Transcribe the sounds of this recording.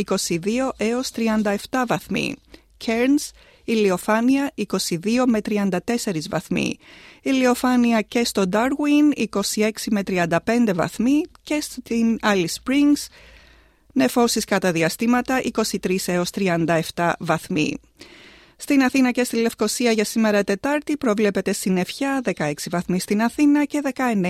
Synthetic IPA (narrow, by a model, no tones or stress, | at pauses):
iko̞siðio̞ʔe̞o̞st̪ɾiɐnd̪ɐe̞ft̪ɐvɐθmḭ | cʰe̞ɾns | ilio̞fɐniɐiko̞siðio̞me̞t̪ɾiɐnd̪ɐt̪e̞se̞ɾizvɐ̰θmḭilio̞fɐniɐce̞st̪o̞d̪ɐɾɣwiniko̞sie̞ksime̞t̪ɾiɐnd̪ɐpe̞nd̪e̞vɐ̰θmice̞st̪inɐlispɾiŋɡs | ne̞fo̞siskɐt̪ɐðiɐst̪imɐt̪ɐʔiko̞sit̪ɾise̞o̞st̪ɾiɐnd̪ɐe̞ft̪ɐvɐθmḭ | st̪inɐθinɐce̞st̪ile̞fko̞siɐʝɐsime̞ɾɐt̪e̞t̪ɐɾt̪ipɾo̞vle̞pe̞t̪e̞st̪ine̞fçɐðe̞kɐe̞ksivɐθmist̪inɐθinɐce̞ðe̞kɐe̞ne